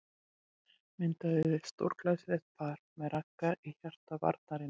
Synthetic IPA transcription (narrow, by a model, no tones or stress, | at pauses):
mɪnt̪aðɪvɪ̥st̪o̰wɾ̥klasɾɛht̪̚pʰaɾ̥mɛðɾakːaʔiçar̥t̪ava̰ɾt̪naɾɪ